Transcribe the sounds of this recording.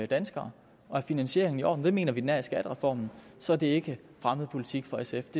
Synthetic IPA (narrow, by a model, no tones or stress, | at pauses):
d̥ænsɡ̥ɐː | ɒ̽æɐfinænɕe̝̰ɐ̰eŋn̩iɒ̰ːd̥n̩d̥e̝me̝ːnɐʋidnæɐisɡ̥æd̥ʁɛfɒ̰ːmn̩sɒ̽æɐd̥e̝e̝ɡ̥ə | fʁaməð̞̩ˠpʰo̝lit͡sʰiɡ̥fɒ̽esefd̥e̝